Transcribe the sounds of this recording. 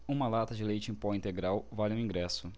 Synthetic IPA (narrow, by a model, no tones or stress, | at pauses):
ũmɐlat̪ɐd͡ʒɪlejt͡ʃɪẽpɔĩnt̪eɡɾawvalɪũĩŋɡɾɛsʊ